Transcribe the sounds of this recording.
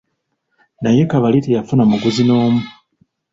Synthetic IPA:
naje̞kaβalitejafunamuɡuzinoːmu

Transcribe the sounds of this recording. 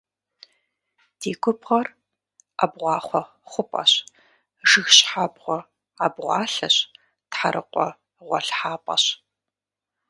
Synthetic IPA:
d̥eːkʷʰʊpʁɐr | a̰bʁʷɑːχʷɔ | χʷʊpʼɐ̰ɕ | ʒɨxɕħabʁʷɔ | abʁʷɑːɬɐɕ | tħaɾʔɨ̰qʷʼɔ | ʁʷɔɬħaːpʼɐ̰ɕ

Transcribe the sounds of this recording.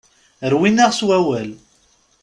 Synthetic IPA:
əɾwinaʁswæwæl

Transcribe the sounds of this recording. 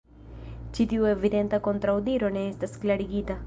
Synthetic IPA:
t͡ʃit̪iweʋid̪ent̪ɐkont̪ɾɐud̪iːɾonest̪ɐsklɐɽiɡit̪ɐ

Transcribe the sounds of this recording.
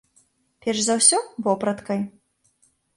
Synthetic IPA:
pʲɛrzɐwsʲɔvɔpɾɐt̪kɐj

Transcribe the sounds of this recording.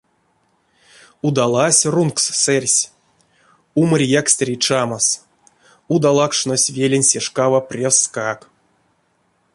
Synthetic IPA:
ud̪alˠasʲrunksːɛrʲsʲ | umərʲjaksʲt̪ʲrʲit͡ʂamas | ud̪alˠakʂnosʲvʲelʲenʲsʲeʂkavaprʲeskak

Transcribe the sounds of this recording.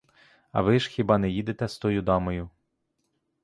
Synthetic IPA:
ɐ̰ʋɪʒ̥xʲibɑnɛjid̪et̪ɛst̪ɔjʊd̪ɑmɔjʊ

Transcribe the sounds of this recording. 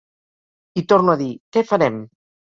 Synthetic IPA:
it̪oɾnuaðikɛfaɾɛm

